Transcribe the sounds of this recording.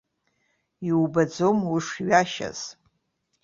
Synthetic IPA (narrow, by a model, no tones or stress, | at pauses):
iwbad͡zomuʂɥaʃa̰z̥